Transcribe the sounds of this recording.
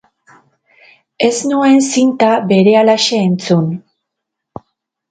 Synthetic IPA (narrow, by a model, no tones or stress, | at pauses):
e̞znue̞nsint̪abe̞ɾe̞alaʃe̞ːnt͡sun